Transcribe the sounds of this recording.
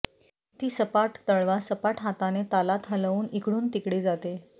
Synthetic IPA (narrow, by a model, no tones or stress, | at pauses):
t̪iːsəpaʈt̪əɭʋasəpaʈɦat̪anet̪alat̪ɦələʋuːnikɽuːnt̪ikɽiːd͡zat̪e